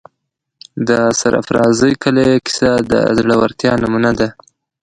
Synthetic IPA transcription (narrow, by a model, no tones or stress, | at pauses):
d̪əsa̰ɾa̰fɾɑzəjkəlekɪ̥sad̪ə̰zɽawaɾt̪jɑnamunad̪a